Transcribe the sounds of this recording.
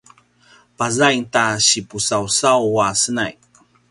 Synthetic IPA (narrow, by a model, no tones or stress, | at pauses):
pazajntaɕipusawsawasəna̰j